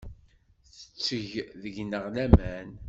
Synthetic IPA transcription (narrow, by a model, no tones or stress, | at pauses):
θə̥t͡sːəʝðəʝnəʁlæmæn